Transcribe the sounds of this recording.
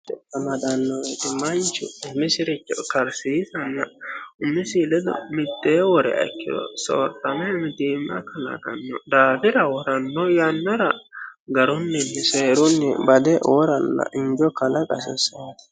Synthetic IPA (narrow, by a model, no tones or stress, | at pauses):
ɛt̪ːɐmɐd̪ɐnːɔɛt̪ɪmɐnt͡ʃʊʊmːɪsɪɾɪt͡ʃːɔkɐɾsiːsɐnːɐʊmːɪsiːlɛd̪ɔ̰mɪt̪ʼːeːwɔɾɛ̰ɐ̰kːɪd̪ɔ̰so̰ːɾt̪ʼːɐmɛmɪd̪iːmːɐ̰kɐlɐ̰d̪ɐ̰nːɔd̪aːb̪ɪɾɐwɔɾɐnːɔjɐnːɐɾɐɡɐɾʊnːɛnːɛseːɾʊnːɛbɐd̪ɛʔɔɾɐlːɐ̰ʔɪnd͡ʒɔkɐlɐkʼɐsɛsɐat̪ɪ̥